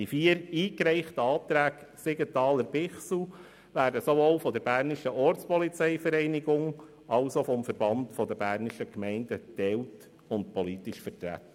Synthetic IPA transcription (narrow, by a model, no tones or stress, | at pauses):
difiːəɾiːkɾɛɪχtəɑːt̪ɾæːkseɡətɑːləɾb̥ɪχsl̩ | ʋæːɾdəsovolfɔdəɾbæːɾnɪʃəʔɔɾt͡spɔlit͡sɛɪfəɾɛɪnɪɡʊŋ | ɑlsofɔmfəɾbɑndfɔd̪əbæːɾnɪʃəkmɛɪnd̥ətɛlt | ʊntpɔlitɪʃfətɾæ̰tːə